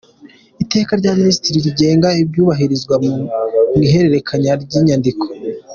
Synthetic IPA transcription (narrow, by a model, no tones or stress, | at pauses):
ite̞ːkaɾɟaːminisitiɾiɾiɟe̞ːŋɡaibɟuːβaɦiɾizɡwa | mɡiɦe̞ɾe̞ɾe̞kʰaɲaɾɟiɲandiko